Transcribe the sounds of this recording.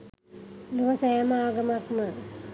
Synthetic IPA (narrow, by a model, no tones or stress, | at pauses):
luʋɐsɐjamɐaːɡɐmakmə